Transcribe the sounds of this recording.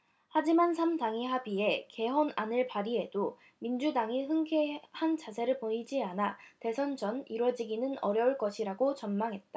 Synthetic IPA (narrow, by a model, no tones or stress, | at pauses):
had͡ʑimans̬ʰamdaŋiɦabie̞ke̞ɦʌnanɯɭpaɾie̞do | mind͡ʑudaŋiɦɯŋkʰehant͡ɕas̬ʰe̞ɾɯɭpoɲid͡ʑianate̞sʰʌnd͡ʑʌniɾwʌd͡ʑiɡinɯnʌɾjʌuɭk͈ʌɕʰiɾaɡot͡ɕʌnmaŋɦe̞t̚t͈a